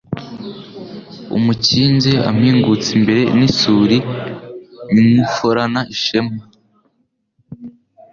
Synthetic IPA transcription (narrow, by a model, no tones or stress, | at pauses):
ṵmuciːnzea̰m̥hiːŋɡut͡simbe̞ɾe̞nisuːɾi | ninifoɾanaʔiʃema